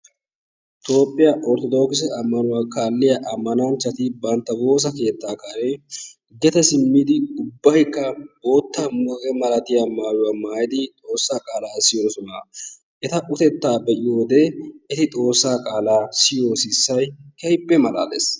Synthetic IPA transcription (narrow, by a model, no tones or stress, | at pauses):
t̪o̞ːpʼːɪjɐʔɔɾt̪ɔd̪oːkɪs̬ɐɐmːɐnʊwaːkaːlːɪjɐʔɐmːɐnɐnt͡ʃːɐt̪ɪbɐnt̪ːɐbo̞ːs̬ɐke̞ːt̪ːaːkaːɾe | ɡɛt̪ɛsɪmːiːd̪ɪʊbːɐjkːɐboːt̪ːamukʼɛmɐlɐt̪ɪjɐmaːjʊwaːmaːjɪd̪ɪt̪ʼo̞ːsːaːkʼaːlaːsɪjoːsɔna | ʔɛt̪ɐʔʊt̪ɛt̪ːaːbɛʔɪjo̞ːd̪eɛt̪ɪt̪ʼo̞ːsːaːkʼaːlaːsɪjoːsɪsːɐjkɐjpʼːɛmɐla̰ːd̪ḛs